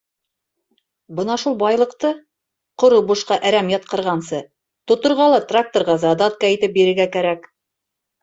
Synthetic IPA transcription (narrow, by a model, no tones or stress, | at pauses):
bɤnɑʃulˠbɑjlˠɤ̆qt̪ɤ | qŏɾobuʃqɑʔæɾæmjɑt̪̚qɤ̆ɾʁɑnsɤ | t̪ŏt̪ŏɾʁɑlˠɑt̪rak̚t̪orʁɑzɑd̪ɑt̪̚kɑit̪ɘp̚biɾɘ̆ɾɡækæɾæk